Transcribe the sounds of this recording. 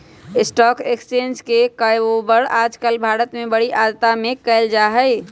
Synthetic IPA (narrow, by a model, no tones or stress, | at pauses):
ɪsʈɔkekst͡ʃend͡ʒkekəjobəɾad͡ʒkəlbʱaɾət̪mebəɽiʔad̪t̪amekəɪld͡ʒaɦəɪ